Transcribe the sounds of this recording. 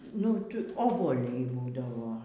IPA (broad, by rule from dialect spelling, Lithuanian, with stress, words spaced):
nʊ ˈtʊ oːbuɔˈlʲɛɪ ˈbuːdɐʋoː